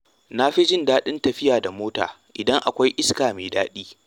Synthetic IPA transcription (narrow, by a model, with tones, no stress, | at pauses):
na˦ɸi˦d͡ʒɪ˦ndaː˦ɗɪ˦ntɐ˨ɸɪ˦jaː˨da˨moː˦ta̰ː˨ | ʔɪ˨dɐ˦ŋʔa˨kʷa˦jʔɪ˦skaː˨meː˨daː˦ɗiː˦